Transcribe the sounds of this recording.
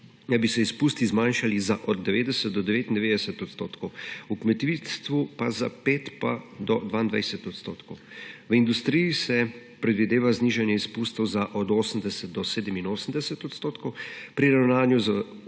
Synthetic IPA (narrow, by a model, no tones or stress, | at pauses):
d̪abisɛispuːst̪izmanʃalizaʔɔd̪d̪ɛʋeːd̪ɛsɛt̪̚d̪ɔd̪ɛʋeːt̪ind̪ɛʋeːd̪ɛsɛt̪ɔt̪st̪oːt̪kɔwukmɛt̪ʋist̪ʋupaza̰peːt̪pad̪ɔd̪ʋaːind̪ʋa̰jsɛt̪ɔt̪st̪o̰ːt̪kɔwʋəind̪ust̪ɾijisɛ | pɾɛd̪ʋid̪eːʋazniʒɛnjɛispust̪ɔwzaʔɔd̪oːsəmd̪ɛsɛt̪̚d̪ɔseːd̪əminoːsən̩d̪ɛsɛt̪ɔt̪st̪oːt̪kɔwpɾiɾawnaːnjuzə